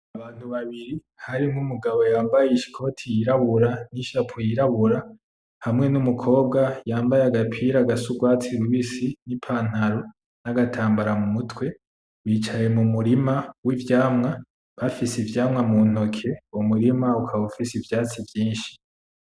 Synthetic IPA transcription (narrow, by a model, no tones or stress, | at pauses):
aβaːn̥huβaβiɾi | haɾimumuɡaβo̞jaːmbajeiʃi̥kʰo̞ːtʰijiɾaβuɾaniʃapʰojiɾaβuɾa | hamŋe̞numukʰo̞ːbɡajaːmbajeaɡapʰiːɾaːɡasuɡwaːt͡siɾuβisinipʰaːn̥haɾo | naɡatʰaːmbaɾamumutwe̞ | βiːt͡ʃajemumuɾimawivjaːmŋa | βafisivjaːmŋamun̥o̞kʰe̞umuɾimaukʰaβufisivjaːt͡sivjiːnʃi̥